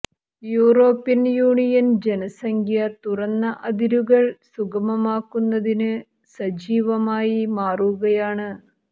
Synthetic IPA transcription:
juːroːpːinjuːɳijɐnd͡ʑenɐsɐŋkʰjɐt̪urɐnːɐʔɐd̪iɾuɣɐɭsuɡɐmɐmaːkːunːɐðinɨ | sɐd͡ʑiːʋɐmaːjimaːruɣɐjaːɳɨ

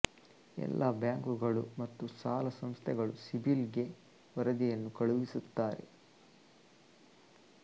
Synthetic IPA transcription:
ɛ̰lːɐbjaːŋkuɡɐɭumɐt̪ːusaːlɐsɐmst̪ʰɛɡɐɭusibilɡe̞ | ʋɐɾɐd̪ijɐnːukɐɭuʋisut̪ːaːɾe̞̰

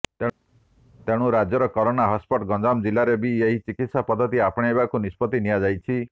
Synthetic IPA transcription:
e | t̪eɽ̃uɾad͡ʒjɔɾɔkɔɾonaɦɔspɔʈɡɔd͡ʒamd͡ʒilaɾebieɦit͡ʃikit̪sapɔd̪ʱːɔt̪̬iapɔɽ̃ejbakunispɔt̪inijad͡ʒajt͡ʃʰi

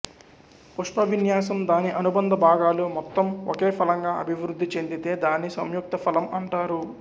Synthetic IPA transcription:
puʂʈɐʋinjaːsɐmd̪aːniʔɐnubɐnd̪ɐbʱaːɡaːlumɔt̪ːɐmoke̞ːpʰɐlɐŋɡaːɐ̰bʱiʋɾud̪ʱːit͡ʃend̪it̪e̞ːd̪aːnːisɐ̰mjuk̚t̪ɐpʰɐlɐmɐɳʈaːɾu

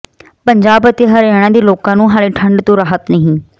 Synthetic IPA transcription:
pəɲd͡ʒaːbət̪eːɦəɾɛːɽ̃ãːd̪iːloːkãːnũːɦaːleːʈʰəɳɖt̪õːɾaːɦət̪nəɦĩː

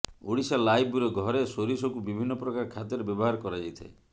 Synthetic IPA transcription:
uɽisalajbuɾɔɡʱɔɾesoɾisɔkubibʱinːɔpɾɔkaɾkʰad̪ɔɾebjɔbɔɦaɾɔkɔɾad͡ʒajt̪ʰḛ

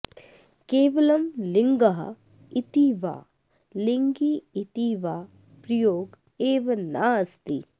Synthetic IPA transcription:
keːʋɐlɐmlɪŋɡɐɦɐ̰ | it̪iːʋa̰ː | liŋɡiit̪iːʋaː | pɾɐjoːɡ | eːʋɐnaːst̪ḭː

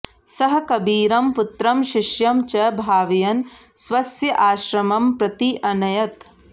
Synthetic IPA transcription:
sɐɦɐ̆kɐbiːɾɐmput̪ɾɐmʃiʃjɐmt͡ʃɐbʱaːʋijɐnsʋɐsjɐʔaːʃɾɐmɐmpɾɐt̪iʔɐnɐjɐt̪

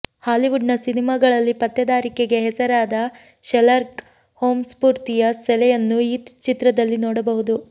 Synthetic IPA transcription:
haːliʋuɖnɐsinimaːɡɐɭɐlːipɐt̪ːɐd̪aːɾikeɡe̞ɦɛsɐɾaːd̪ɐ | ʃɛlɐɾk | hoːmspuːɾt̪ijɐsɛlɛjɐnːuiːt͡ʃit̪ɾɐd̪ɐlːinɔːɽɐbɐɦud̪u

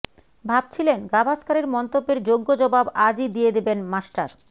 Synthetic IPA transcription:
bʱab̚t͡ɕʰilenɡabʱaskaɾeɾmɔnt̪obːeɾd͡ʑoɡːod͡ʑɔbabad͡ʑid̪ijed̪ebenmaʃʈaɾ

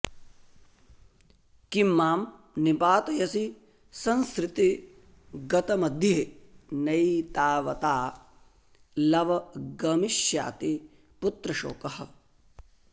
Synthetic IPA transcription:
kimːaːm | nipaːt̪ɐjɐsi | sɐnskɾɪt̪i | ɡɐt̪ɐmɐd̪ʱjɐɦenɐit̪aːʋɐt̪aː | lɐʋɐɡɐmiʃja̰ːt̪i | put̪ɾɐʃo̰ːkɐɦɐ̆

